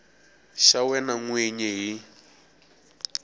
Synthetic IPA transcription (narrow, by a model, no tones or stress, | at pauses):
ʃawɛnaŋweɲɛɦi